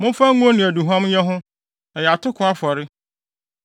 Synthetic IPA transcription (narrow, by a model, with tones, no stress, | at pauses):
mʊ̃˦fa˦ŋũ˦o˦nɪ̃˨æ˨du˨ɦɔ̃˦mɲɛ̃˦ɦʊ̃˦ | ɛ˨jɛ˨a˨tʰʊ˦kʰʊ˨˦a˦fɔ˨ɾɪ˦